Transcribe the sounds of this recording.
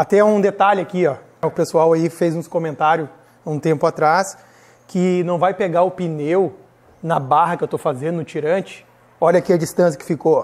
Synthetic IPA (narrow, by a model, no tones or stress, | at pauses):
at̪ɛũd̪et̪aʎɪakiɔ | ʊpesuawaifejzũskõmẽnt̪aɾjʊ | ũt̪ẽmpʊat̪ɾas | kʰɪnɐ̃w̃vajpeɡaʊpinew | nɐbaɦɐkɪewt̪owfazẽnd̪ʊʊt͡ʃiɾɐ̃nt͡ʃɪ̥ | ɔʎɐakiɐd͡ʒist̪ɐ̃s̬jɐ̥kɪ̥fiko